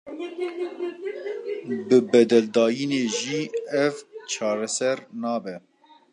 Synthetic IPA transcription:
bɨbɛd̪ɛld̪ɑːjineːʒiːɛvt͡ʃʰɑːɾɛsɛɾnɑːbɛ

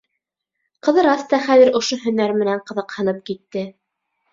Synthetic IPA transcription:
qɤ̆ðɤ̆ɾɑst̪ɑχæðɘ̆ɾŏʃoɦɵ̆næɾmɘ̆næɴqɤ̆ðɤ̆qhɤ̆nɤp̚kit̪ːɘ

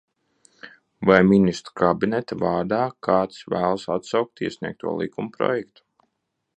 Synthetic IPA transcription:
vajminist̪ɾkabinɛt̪avaːɾd̪aːkʰaːt̪svæːlˠsat̪sawk̚t̪iɛsnḭɛk̚t̪ṵɔlˠḭkumpɾɔ̰jɛkt̪u̥

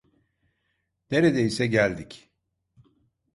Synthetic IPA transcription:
neɾed̪ɛisɛɟælʲd̪ic

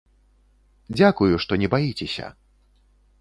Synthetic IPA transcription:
d͡zʲakujuʂt̪ɔnʲɛbajit͡sʲɛsʲɐ̰

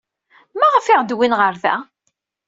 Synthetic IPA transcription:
mæʁəfɪʁd̪winʁəɾðæ̰

